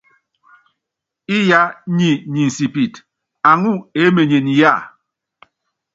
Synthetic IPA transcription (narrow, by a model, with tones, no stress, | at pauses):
i˦ja˦ɲi˨ɲi˨n̩˨si˨pi˨t | a˨ŋu˦e˨˦me˨ɲe˨ni˨ja˦˨